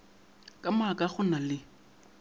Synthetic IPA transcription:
kʼamakʼaχʊnalɪ

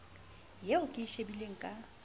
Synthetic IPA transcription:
jaʊkʼɪʃebileŋ̩kʼa

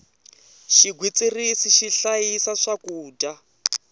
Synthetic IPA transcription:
ʃiɡwit͡sirisiʃiɬajisaʂakuːda

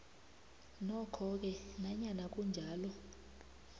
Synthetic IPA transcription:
nɔkʰɔk̬ɛnaɲanak̬ʼund͡ʒʱaːlɔ

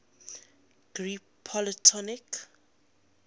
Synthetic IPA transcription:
ɡ̥ɹi | pʰːɔlitʰɔnik

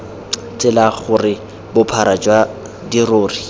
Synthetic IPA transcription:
t͡sʼɪlaχʊrɪ | bʊpʰaɾad͡ʒwa | diroːri

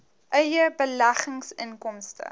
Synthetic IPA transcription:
ʔœɥjəbəlæχəŋsənkɔmstə̰

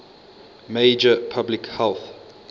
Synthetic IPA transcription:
meɪd͡ʒəpʰablikhɛlˠθ

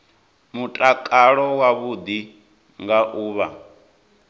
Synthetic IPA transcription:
mutʼakʼaɺɔwaβud̪i | ŋɡaʔuːβa

